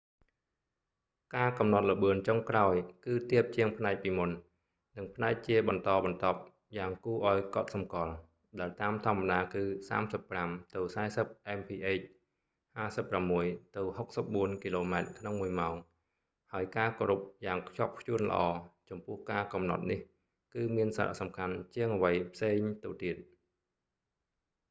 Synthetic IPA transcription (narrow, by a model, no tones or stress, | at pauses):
kaːkɑmnɑt̪̚ləɓɨənt͡ɕoŋkraɔjkɨːt̪iəp̚t͡ɕiəŋpʰnaɛk̚piːmun | nɨŋpʰnaɛk̚t͡ɕiəɓɑnt̪ɑːɓɑnt̪ŏp̚ | jaːŋkuːʔaɔjkŏt̪̚sɑmkŏəl | ɗaɛlt̪aːmt̪ʰŏəmːaɗaːkɨːsa̰ːmsəpːramt̪ɨwsaɛsəp̚ʔaɛmpʰiːʔeːc̚ | haːsəpːramːuəjt̪ɨwhok̚səp̚ɓuənkiloːmaɛt̪̚kʰnoŋmuəjmaɔŋ | haəjkaːkoːɾup̚jaːŋkʰt͡ɕŏp̚kʰjuənlə̰̆ʔɑːt͡ɕɑmpʊ̆əhkaːkɑmnɑ̰t̪̚nih | kɨːmiənsaɾa̰ʔsɑmkʰant͡ɕiəŋəʋəjpʰseːŋt̪ɨwt̪iət̪̚